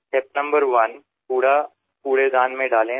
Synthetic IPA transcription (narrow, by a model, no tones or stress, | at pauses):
ʈep̚nə̃mbəɾʋən | puːɽa | puːɽed̪aːnmẽɖaːlẽ